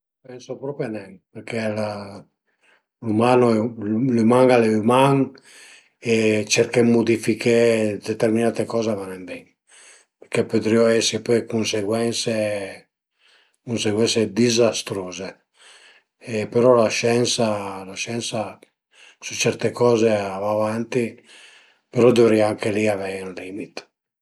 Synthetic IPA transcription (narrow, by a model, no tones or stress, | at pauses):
pɛnsopɾɔːpɾjanɛŋperkela | lumaːnolumaŋɡalemaŋ | et͡ʃɛrkemːud̪ifikʰed̪et̪erminaːt̪ekɔːzevanemb̪ɛŋ | peɾkepːøt̪ɾioɛsipɔkunseɡwɛnse | kunseɡwɛnsed̪izast̪ɾoːze | epːeɾɔlaʃɛnsalaʃɛnsa | sut͡ʃːɛɾt̪ekɔːzeavaːvant̪i | peɾɔd̪ovɾiaaŋkeliavɛunlimit̪